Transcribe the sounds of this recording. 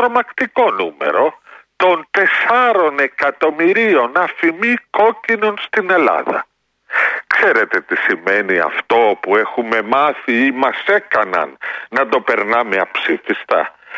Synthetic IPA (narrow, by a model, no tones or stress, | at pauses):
ɾo̞mɐkt̪iko̞nume̞̰ɾo̞t̪o̞nt̪e̞sɐɾo̞ne̞kɐt̪o̞miɾio̞nɐfimiko̞cino̞nst̪ine̞lɐ̰ðɐ̰ | kseɾe̞t̪e̞t̪isime̞niɐ̰ft̪o̞opue̞xume̞mɐθiimɐse̞kɐnɐ̰nːɐt̪o̞pe̞ɾnɐme̞ɐpsifist̪ɐ̰